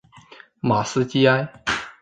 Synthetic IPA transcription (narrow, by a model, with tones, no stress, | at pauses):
ma˨˩s̩˥t͡ɕi˦a˥ɪ